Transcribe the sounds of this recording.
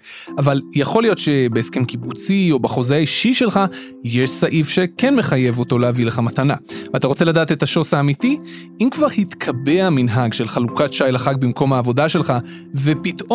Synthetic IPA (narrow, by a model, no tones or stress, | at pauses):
avaljaχo̞lijo̞tʃe̞beeskemkibut͡sio̞baχo̞zeaiʃiʃe̞lχa | jeʃsaʔivʃe̞kenme̞χaje̞vo̞to̞leavileχamatanavataʁo̞t͡se̞ladaːte̞taʃo̞saːmiti | imkvaʁhitkʰabe̞aaminɦaɡʃelχalukatʃajlaχaɡ̚bimko̞mhaːvo̞daʃe̞lχa | ve̞pito